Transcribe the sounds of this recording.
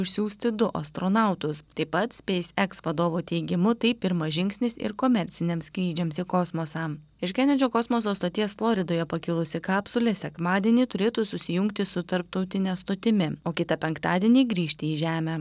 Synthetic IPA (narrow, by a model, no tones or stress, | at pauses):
ʊʃʲsʲuːsʲt̪ʲɪd̪ʊʔɐst̪ɾoːnɑˑʊt̪ʊst̪ɐɪpːɐt̪sʲpʲɛɪsʲɛksʋɐd̪oːʋoːt̪ʲɛɪɡʲɪmʊt̪ɐɪpɪɾmɐʒʲɪŋksʲnʲɪsɪ̰ɾkoːmʲɛɾʲt̪sʲɪnʲɛːmsʲkɾʲiːd͡ʒʲɛmsɪkoːsmoːsɑː | ɪʃkʲɛnʲɛd͡ʒʲoːkoːsmosoːst̪oːt̪ʲiɛsflˠoːɾʲɪd̪oːjɛpɐkʲɪlˠʊsʲɪkɑːpsʊlʲɛsʲɛkmɑːd̪ʲiɛnʲiːt̪ʊɾʲeːt̪uːsʊsʲɪjʊŋk̚t̪ʲɪsʊt̪ɐɾp̚t̪ɐʊt̪ʲɪnʲɛst̪ot̪ʲɪmʲɪoːkʲɪt̪ɐpʲɛŋkt̪ɑːd̪ʲiɛnʲiːɡɾʲiːʃʲt̪ʲɪiːʒʲæːmʲæ